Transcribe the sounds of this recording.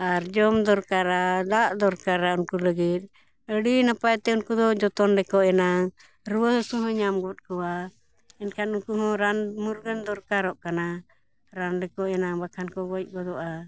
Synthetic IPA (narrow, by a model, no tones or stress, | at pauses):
aɾd͡ʒɔmd̪ɔɾkaɾad̪aʔd̪ɔɾkaɾaunkuləɡit̪̚ˀ | əɽinapajt̪ɛunkud̪ɔʔd͡ʒɔt̪ɔnɖɛkɔʔɛnaŋ | ɾuwəhsɔ̃ɦɔ̃ɲamɡɔt̪̚kɔwa | ɛnkʰanunkuɦɔ̃ɾanmuɾɡənd̪ɔɾkaɾɔʔkana | ɾanɖɛkɔʔɛnaŋbakʰankɔɡɔc̚ˀɡɔd̪ɔʔa